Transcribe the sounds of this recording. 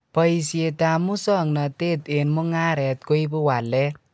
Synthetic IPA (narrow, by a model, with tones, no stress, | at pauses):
pʌjse˧t̪amu˦sʌ˨ŋnʌt̪e˦t̪enmu˦ŋa˦ɾe˨t̪kojbuwa˨lːe